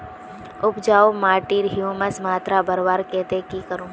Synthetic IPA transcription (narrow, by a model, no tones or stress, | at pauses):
ʊpd͡ʒaːomaːʈiːɾɦijuːməsmaːt̪ɾabɐɾʋaːɾkɛːt̪ekikəɾũː